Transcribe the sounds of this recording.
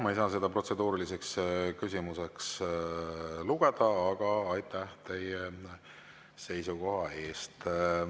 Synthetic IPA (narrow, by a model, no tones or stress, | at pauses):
mɑejsɑːs̬e̞d̪̥ɑpro̞t̪se̞d̪uːɾilise̞kskysʲimuse̞ks | luɡ̥e̞d̪̥ɑːɡ̥ɑːjt̪ˑæht̪e̞je | se̞jsuko̞ɦɑe̞ːst̪